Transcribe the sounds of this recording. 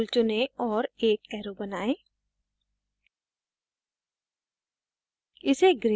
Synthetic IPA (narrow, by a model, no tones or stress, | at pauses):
lt͡ʃʊneɔːɾeːkɛːɾobɐnaːẽː | ɪseɡɾe